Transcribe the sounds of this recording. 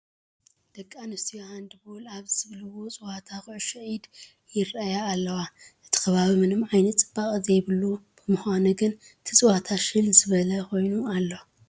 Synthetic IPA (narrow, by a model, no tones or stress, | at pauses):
d̪̥ɐkʼːanɨst̪ijohand̪ɨbulaβzɨzɨβlɨwo̞t͡sʼɨwat̪ʰakʊʕɨʃɐʕid̪ | jɪrajaːlːɐwaʔɨt̪ʰi̥kʰɐβaβimɨnɨmʕajnɐt̪t͡sʼɨbːakʼɨzejβɨlub̥ɨmɨxanɨɡɨn | t̪ʰɨt͡sʼɨwat̪ʰaʃɨlzɨβɐlɐkʰo̞jnualːo